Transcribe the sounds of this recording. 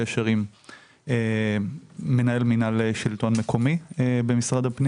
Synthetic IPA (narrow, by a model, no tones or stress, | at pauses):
eʃeʁim | eː | e̞nae̞lminaleʃilt̪o̞nmekʰo̞miebe̞misʁadhapni